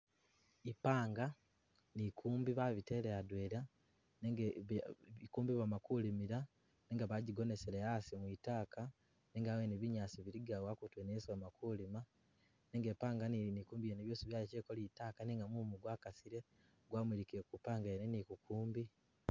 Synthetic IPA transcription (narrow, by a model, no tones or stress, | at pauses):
ipaːŋɡa | nikʰuːmbiβaβiteleadweɾa | neŋ | ikuːmbiβamakulimiɾa | neːŋɡaβaɟiɡo̞ne̞seɾeasimwitaːka | neŋɡaweneβiɲaːsiβiɾiɡawakutweneswamakulima | neŋɡepaːŋɡannikuːmbijeneβjoːsiβjaːlit͡ʃeːkoliːtaːkaniŋɡamumuɡwaːkasiɾe | ɡwaːmwilikekupaːŋɡaenenikukʰuːmbi